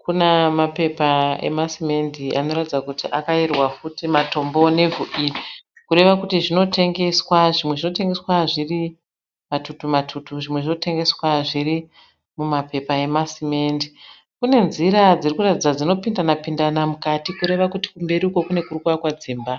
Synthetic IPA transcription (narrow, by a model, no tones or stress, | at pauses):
kunemape̞pae̞̰masime̞ndiʔano̞ɾatid͡zakutiʔakairwafutimato̞mbo̞ne̞vuʔiːri | kuɾe̞ʋakutiʐino̞te̞ŋɡe̞swaʐimwe̞ʐino̞te̞ŋɡe̞swaʐiri | matutumatʰutuʐimwe̞ʐino̞te̞ŋɡe̞swaʐiri | mumape̞pae̞masime̞ndi | kune̞nziɾad͡zirikuratid͡zad͡zino̞pindanapindanamukatikuɾe̞ʋakuti̥kumbe̞ɾiuko̞kune̞kurukuakwad͡ziːmba